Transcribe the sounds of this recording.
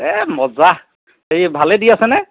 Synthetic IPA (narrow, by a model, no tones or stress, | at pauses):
ɛmɔza | eibʱalɛdiasɛnɛ